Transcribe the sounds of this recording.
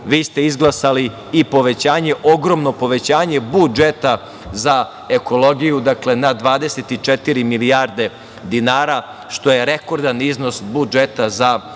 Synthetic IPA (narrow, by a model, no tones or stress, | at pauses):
ʋiːst̪e̞izɡlˠasali | ipo̞ʋe̞t͡ɕaːɲe̞ʔoɡɾo̞mno̞po̞ʋe̞t͡ɕaːɲe̞bud͡ʒet̪a | za | eko̞lˠo̞ɡijud̪akle̞nad̪ʋaːd̪e̞set̪it͡ʂet̪iɾimiliaɾd̪e̞ | d̪inaːɾa | ʃt̪o̞jeɾeko̞ɾd̪anizno̞sbud͡ʒet̪aza